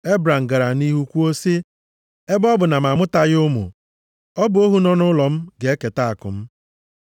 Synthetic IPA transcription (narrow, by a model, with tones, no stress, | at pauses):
e˦bɾa˨ŋ̩˨ɡa˨ɾa˨ni˦ɦu˦kʷu˦o˦si˦ | e˦bɔ˦bʊ˨na˨m˨a˨mʊ˦ta˨ɣʊ˦mṵ˨ | ɔ˦bʊ˨˦o˦ɦu˦nɔ˦nʊ˦lɔ˨m̩˦ɡe˨˦e˦ke˨ta˦a˨kʊ̰˨m̩˦